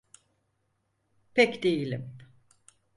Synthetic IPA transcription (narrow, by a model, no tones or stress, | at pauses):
pʰɛcd̪ejilʲḭm